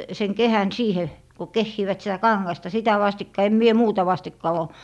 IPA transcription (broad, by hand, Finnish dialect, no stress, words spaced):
seŋ kehæn siːhe ko kehːiːʋæt sĭtæ kɑŋːɑstɑ sitæ ʋɑstikːɑ em mie muːtɑ ʋɑstikːɑ oˑ